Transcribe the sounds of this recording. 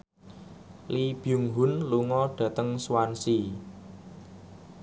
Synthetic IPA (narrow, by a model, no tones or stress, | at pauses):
lib̥juŋɦʊnluŋɔɖ̥ä̤t̪əŋswansi